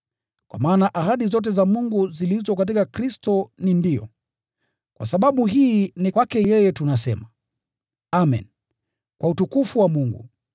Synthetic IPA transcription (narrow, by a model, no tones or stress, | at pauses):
kwa̰maːnaʔaɦaɗizɔt̬ɛzamuŋɡuzilizɔkat̬ikakɾistɔnindijɔ̰ | kwa̰saɓaɓuɦiːnikwakɛjɛjɛtunasɛ̰ma | amɛ̰n | kwʔautukufuwamuŋɡṵ